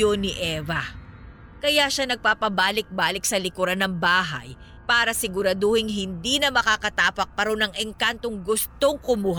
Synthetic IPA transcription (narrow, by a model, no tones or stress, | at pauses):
onɪʔɛːvɐ | kɐjaʃanɐɡ̚paːpɐbaːlɪk̚baːlɪk̚sɐlɪkʊɾanɐŋbaːɦɐ̰j | paːɾɐsɪɡʊɾɐd̪ohɪŋɦɪnd̪inɐmɐkakɐt̪aːpɐk̚pɐɾo̞nɐŋʔɛŋkant̪o̞ŋɡʊst̪o̞ŋkʊmuɦ